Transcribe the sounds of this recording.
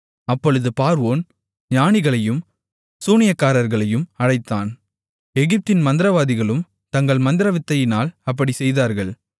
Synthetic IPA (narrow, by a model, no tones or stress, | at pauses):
ɐpːɔɻɯðɯpaːɾʋoːn | ɲaːnɪɣɐɭɐjɯm | suːnɪjɐkːaːɾɐɾɣɐɭɐjɯmɐɻɐɪt̪ːaːn | ɛɣɪp̚t̪ɪnmɐnd̪ɪɾɐʋaːðɪɣɐɭɯm | t̪ɐŋɡɐɭmɐnd̪ɪɾɐʋɪt̪ːɐjɪnaːlɐp̬ːɐɽisɛjðaːɾɣɐɭ